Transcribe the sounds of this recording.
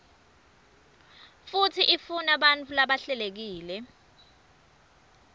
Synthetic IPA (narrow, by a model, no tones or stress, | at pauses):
futʰiʔifunaɓant͡fʰulaɓaɬɛlek̬iːlɛ